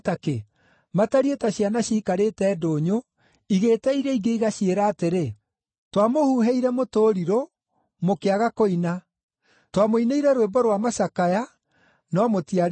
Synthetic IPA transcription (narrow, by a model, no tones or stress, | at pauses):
take | mataɾietaɕianaɕiːkaɾetɛːdoːɲo | iɣeːtɛiɾɛiɡeiɣaʃieɾaːteɾe | twamohuːɦɛiɾɛmotoːɾiɾo | mokeaɣakoina | twamoineiɾɛɾwebɔɾwamasakaja | nɔmotiaɾ